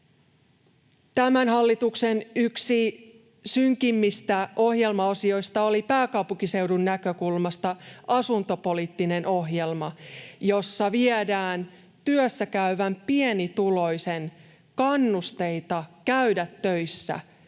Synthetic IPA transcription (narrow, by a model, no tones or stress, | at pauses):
t̪æmænɦɑlːit̪ukse̞nyksi | syŋkimːist̪æo̞hje̞lmɑo̞sio̞jst̪ɑo̞lipæːkɑwpuŋkise̞wdunːækø̞kulmɑst̪ɑʔɑsunt̪o̞po̞lit̪ːine̞nʔo̞ɦje̞lmɑjo̞sːɑʋiedæːn | t̪yøsːækæyʋæmpienit̪ulo̞jse̞n | kɑnːust̪e̞jt̪ɑkæydæt̪ːøjsːæ̰